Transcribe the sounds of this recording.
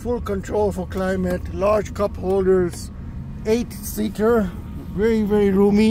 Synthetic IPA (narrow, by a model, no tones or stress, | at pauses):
fʊlkə̃nʈʰɾoːlfɔɾklaɪməʈlaːɾd͡ʒkʌphoːlɖəɾz | eːʈ | siːkəɹ | ʋɛɹiʋɛɾiɾuːmi